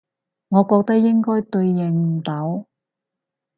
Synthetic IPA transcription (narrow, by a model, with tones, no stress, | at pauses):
ŋɔː˨˧kɔː˧k̚t̪ɐ˥k̚jɪ˥ŋkɔː˥jt̪ɵ˧ɥjɛ˨˩ŋm̩˨˩t̪ɐ˨˥w